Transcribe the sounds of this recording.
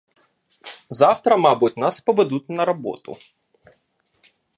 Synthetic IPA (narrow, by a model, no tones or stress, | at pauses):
zɑwt̪ɾɐmɑbutʲnaspɔʋed̪ut̪ʲnɐɾɐbɔ̰t̪ʊ̰